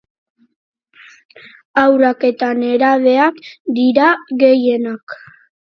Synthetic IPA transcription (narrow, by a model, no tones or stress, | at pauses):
awrake̞t̪ane̞ɾaβe̞akd̪iɾaɣe̞je̞nak